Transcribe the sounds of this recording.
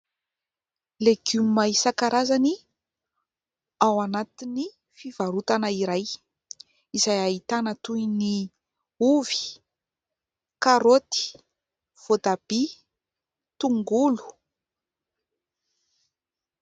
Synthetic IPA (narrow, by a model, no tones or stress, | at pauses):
leɡ̥umimaisakaɾʔazani | awanat̪ini | fiv̥aɾut̪anəiɾaj | izajaɦit̪anət̪uini | uvi̥ | kaɾot̪i̥ | v̥od̪ab̥i | t̪uŋɡulu̥